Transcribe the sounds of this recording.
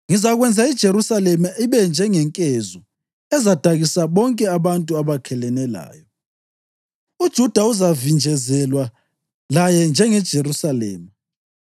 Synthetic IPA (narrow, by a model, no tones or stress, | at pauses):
ŋizaɣwɛnd͡zʱaid̥ʒ̥ʱeɾusalɛmaiβɛnd͡ʒʱɛŋɛŋkʼɛzɔ | ɛzad̥ʱaɣisaβɔŋkʼɛaβantʼuaβakʰɛlɛnɛla̰ːjɔ | ud̥ʒ̥ʱud̥ʱauzavind͡ʒʱɛzɛlwa | lajɛnd͡ʒʱɛŋɛd̥ʒ̥ʱeɾusalɛ̰ːma